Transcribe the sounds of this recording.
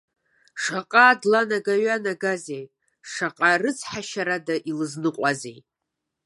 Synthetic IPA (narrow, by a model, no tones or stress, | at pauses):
ʂaqʼadlanaɡaɥanaɡazej | ʂaqʼarɨt͡sʰʼħaʃaɾadaʔilɨznɨqʷʼazej